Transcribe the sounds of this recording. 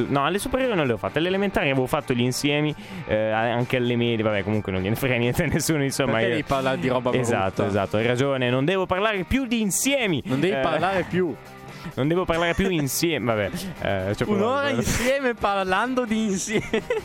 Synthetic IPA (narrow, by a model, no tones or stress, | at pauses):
nɔalːesupeɾjoːɾenõnlɛvofat̪ːoalelemẽnt̪aːɾiaveːvofat̪ːoʎiːnsjɛːmi | aaŋkealːemɛːd̪jevabɛkːomuŋkwenõnvjɛːnefaɾenjɛnt̪eanesːuːnoinsomːaiddɛiparlaɾed̪iɾɔːbaezat̪ːoezat̪ːoɛrad͡ʒoːnenond̪ɛːvoparlaːɾepjud̪iːnsjɛːminõnd̪ɛːviiparlaːɾepju | nond̪ɛːvoparlaːɾepjuinsjɛːmvabɛɛ̰t͡ʃɛpunoːɾainsjɛːmeparland̪od̪iːnsjɛm